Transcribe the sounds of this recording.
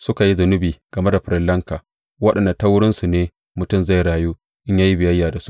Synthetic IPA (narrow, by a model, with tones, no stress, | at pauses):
sʊ˦ka˨ji˦zʊ˨nʊ˦biː˨ɡ̥ɐ˨me˦da˨ɸɪ˨ɾɪ˦˨lːɐ˦ŋkaː˨ | wɐ˦ɗɐ˨nda˨ta˦wʊ˦ɽɪ˦nsu˨neː˦ | mʊ˨tʊ˦˨mza˦˨jɽaː˨juː˦ | ʔɪ˦ɲjaː˦ji˦bɪ˨jɐ˦jːaː˨da˨su̥˦ʔ